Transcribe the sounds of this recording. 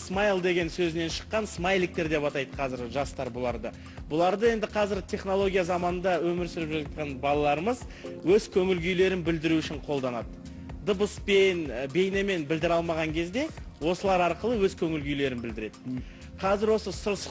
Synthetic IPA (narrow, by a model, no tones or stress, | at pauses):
smajlˠd̪e̞ɡʲe̞nsɵzɪne̞nʃə̥qːɑnsmajlˠik̚t̪e̞ɾd̪e̞pɑt̪ɑjd̪əqʰɑzɪɾʒɑst̪ɑɾbʊlˠɑɾd̪ə | bʊlˠɑɾd̪əe̞nd̪ɪqʰɑzɪɾt̪ʰe̞χno̞lˠo̞ɡʲijazɑmɑnənd̪ɑwɵmɪɾsɪɾɪpʒɑt̪̚qɑnbɑlˠɑlˠɑɾəməz | wɵzkʲʰɵŋɪlɡʲʏjle̞ɾɪnbɪld̪ɪɾuʏʃɪɴqʰo̞lˠd̪ɑnɑd̪ə | d̪əbəspenbe̞jneme̞nbɪld̪ɪɾɑlˠmɑʁɑŋkʲʰe̞zd̪e̞wo̞səlˠɑɾɑɾqəlˠəwɵzkʲʰɵŋɪlɡʲʏjle̞ɾɪnbɪld̪ɪɾe̞d̪ɪ̥ | qʰɑzɪɾwo̞səsʊɾs